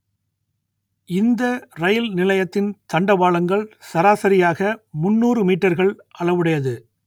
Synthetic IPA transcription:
ɪnd̪ɐɾɐjɪlnɪlɐjɐt̪ːɪnt̪ɐɳɖɐʋaːɭɐŋɡɐɭsɐɾaːsɐɾɪjaːɣɐmʊnːuːɾɯmiːʈːɐɾɣɐɭʔɐɭɐʋɯɽɐjɐðɯ

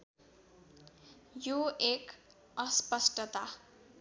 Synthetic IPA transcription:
joek | ʌspʌsʈʌt̪a

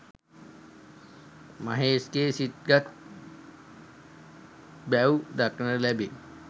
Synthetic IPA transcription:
maɦeːskeːsit̪̚ɡat̪̚ | bæwd̪aknəlæbe

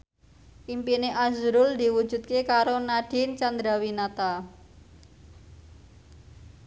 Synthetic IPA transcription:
ʔimpineʔazɾʊld̪i̤wud̥ʒ̥ṳt̪̚kekaɾonaɖ̥ɪ̤nt͡ʃand̪ɾawinat̪a

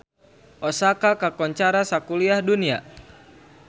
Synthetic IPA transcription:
ʔɔsakakakɔɲt͡ʃaɾasakuliahdunia̰

